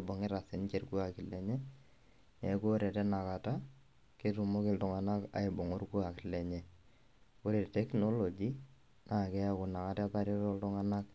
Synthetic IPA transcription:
bɔ˨ŋɪ˦ɾa˨θɪ˨nt͡ʃe˨rku˦a˨kɪ˨lɛ˨ɲɛ˦ | nɛ˨ku˦o˦ɾɛ˨tɛ˦na˨ka˨ta˦ | ke˦tu˨mo˦kɪltʊ˨ŋa˨na˦ka̰˨ɪ˨bo˨ŋo˦ɾku˦a˨kɪ˨lɛ˨ɲɛ˨ | ko˦ɾe˨ttɛ˦kno˦lo˨d͡ʒi˦ | na˨kɛ˦a˦kʊ˨na˨ka˦tɛ˦a˦paɾjɔ˦ɾɔ˦ltʊ˦ŋa˦na˦k̚

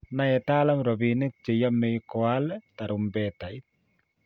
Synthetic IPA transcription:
na˦jɛ˨ta˦la˦mɾɔ˨βine˦t̚t͡ʃe˨ja˦mːe˦jkɔa˦lta˨ɾumbɛta˨it̪̚

